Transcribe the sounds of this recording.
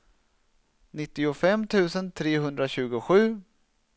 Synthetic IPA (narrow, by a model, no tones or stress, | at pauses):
nɪt̪ːɪʊfɛmːt̪ʰʉ̟ːsənt̪ʰɾeːɦɵnd̪ɾaɕʉ̟ːɡʊɧʉ̟ː